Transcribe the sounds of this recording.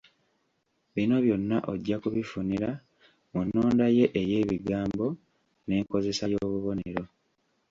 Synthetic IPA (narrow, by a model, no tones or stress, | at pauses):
βino̞βjo̞nːaʔo̞ɟːakuβifuniɾa | munːoːndaje̞ʔeje̞ːβiɡaːmbo̞ | ne̞ːŋko̞ze̞sajo̞ːβuβo̞ne̞ɾo̞